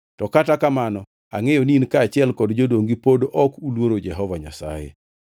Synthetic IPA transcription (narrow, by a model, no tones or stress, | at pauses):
tɔkatakamanɔ | a̰ŋejoniinkaːt͡ʃɪɛlkɔdd͡ʒodoŋɡipodoʔɔkulwoɾod͡ʒɛɦɔvaɲa̰sa̰jḛ